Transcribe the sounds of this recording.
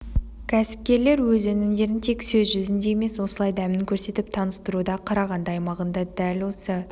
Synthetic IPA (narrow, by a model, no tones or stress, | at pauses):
kʲʰæsɪ̥p̚kʲe̞ɾle̞ɾwɵzɵnɪmd̪e̞ɾɪnt̪ʰe̞ksɵzʒʏzɪnd̪e̞jeme̞swo̞səlˠɑjd̪æmɪŋkʲʰɵɾse̞t̪ɪp̚t̪ʰɑnəst̪əɾud̪ɑqʰɑɾɑʁɑnd̪əɑjmɑʁənd̪ɑd̪ælwo̞sə